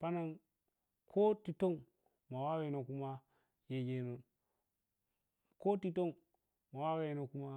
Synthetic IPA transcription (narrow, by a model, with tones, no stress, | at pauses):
pa˦na˨n | kʰo˦ti˨to˦ŋ | ma˨wa˦we˨no˨ku˦ma˦ | je˨d͡ʒe˨no˨n | ko˦ti˨to˦n | ma˨wa˦we˨no˨ku˦ma˦